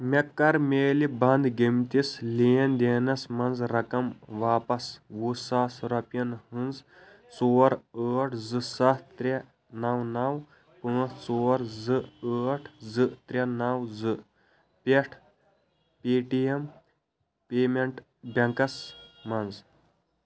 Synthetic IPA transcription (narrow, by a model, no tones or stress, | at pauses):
mekːɐɾmeːlibɐnd̪ɡemt̪isleːɐnd̪eːnɐsmɐnzɾɐkɐmʋaːpɐsʋusaːsɾɐpjɐnhɨnz | t͡soːɾəːʈʰzɨsɐtt̪ɾʲɐ | nɐwnɐw | pə̃ːst͡soːɾzɨəːʈʰzɨt̪ɾʲɐnɐwzɨ | pʲeʈʰ | peːʈijɐm | peːmeɳʈ | bʲɐŋkɐsmɐnz